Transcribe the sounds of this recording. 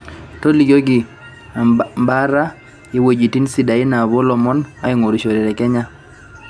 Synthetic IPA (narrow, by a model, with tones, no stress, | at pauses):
tɔ˦li˨ɡjo˦ɡɪ˨ | mba˦ɾa˦ | je˦wo˨d͡ʒi˨ti˦nsi˨da˨ɪ˦na˨βɔ˦lɔ˨mɔ˦na̰˦ɪ˦ŋo˨ɾi˨ʃo˨ɾɛ˨ɾɛ˨kɛ˦ɲa˦